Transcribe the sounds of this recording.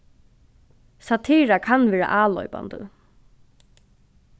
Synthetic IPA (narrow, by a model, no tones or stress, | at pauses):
sat̪ʰiːɹakʰanʋɛːɹa̰ʔaːlɔ̰ʏpa̰nd̪ə̰